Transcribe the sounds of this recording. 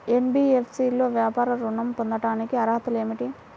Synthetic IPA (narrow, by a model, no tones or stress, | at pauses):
enbiːepʰsiːlo̞ːʋjaːpaːɾɐɾuɳɐmpond̪ɐʈaːnikiɐɾɐɦɐt̪ule̞ːmiʈi